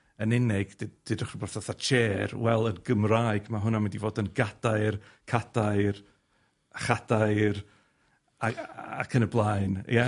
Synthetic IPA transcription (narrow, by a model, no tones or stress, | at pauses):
ənɪnɪɡ̥dd̥ɨdəχrʊbɔθaθat͡ʃʰeːrwɛlˠənɡəmraɨɡmaɦʊnamɪndivoːdənɡad̥aɨrkʰad̥aɨr | χadaɨr | aa̰kʰənəblˠaːɨnjɛ